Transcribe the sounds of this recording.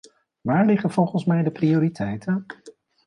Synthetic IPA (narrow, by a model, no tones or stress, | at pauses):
ʋaːɹlɪχənv̥ɔlˠχənsmɛjdəprioːɾitʰɛjtən